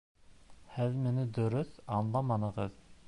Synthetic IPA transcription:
hæzmɪnɪd̪øɾysɑnlˠɑmɑnəʁəz

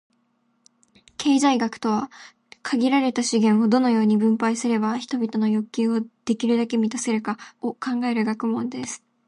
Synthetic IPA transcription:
kʰe̞ːzaiɡakɯ̟̥t̪o̞β̞a | kʰaɡʲiɾaɾe̞t̪aɕiɡẽ̞ɰ̃o̞d̪o̞no̞jo̞ːɲ̟ibɯ̟̃mpaisɨɾe̞baçi̥t̪o̞bʲit̪o̞no̞jo̞kʲːɨːo̞d̪̥e̞kʲiɾɯ̟d̪ake̞mʲit̪ase̞ɾɯ̟kaokʰãŋɡae̞ɾɯɡakɯ̟mõ̞nd̪e̞sɨ̥

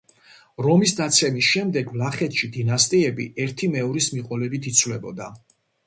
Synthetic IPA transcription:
ɾɔmisd̪at̪sʰɛmisʃɛmd̪ɛɡvlaχɛt̪ʃid̪inast̪ʼiɛbḭɛɾt̪ʰimɛɔɾismiqʼɔlɛbit̪ʰit̪sʰvlɛbɔ̰d̪a

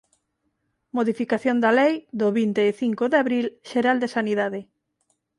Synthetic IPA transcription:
moðifikaθjond̪alejd̪oβint̪eːθiŋkoðaβɾilʃeɾald̪esaniðaðɪ

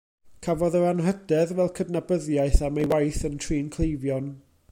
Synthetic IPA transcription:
kʰavɔðəɾanɦədɛðwɛlˠkʰədnabəðjajθamajwajθəntʰriːnkʰlˠejvjɔn

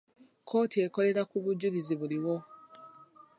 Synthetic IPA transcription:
kʰo̞ːtiekoɾe̞ɾakuβuɟuɾiziβuliwo

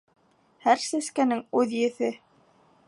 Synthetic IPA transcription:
hæɾsæskænɘŋʉðjɘ̆θɘ

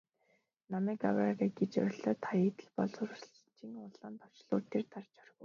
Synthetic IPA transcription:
namæːka̰wariɡet͡ɕœ̰ɾʲɪ̆ɮœːt̪ʰajeːt̪ɘ̆ɮpɔɮʊɾ̆ɮ | t͡ɕĭŋʊɮaːnt̪ɔ̥t͡ɕɮʊːrt̪ʰːert̪ʰart͡ɕɔ̥rɣŭw

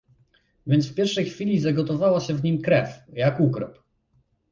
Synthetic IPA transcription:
vʲjɛnt̪fpʲjɛɾfʂɛjxfʲilʲizaɡɔt̪ɔvawaɕɛvɲimkɾɛfjakukɾɔp

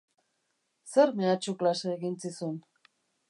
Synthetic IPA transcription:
seɾmeat͡ʃuklaseːɣint͡sisun

